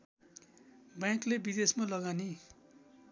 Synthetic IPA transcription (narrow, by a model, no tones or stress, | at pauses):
bjãklebid̪esmalʌɡani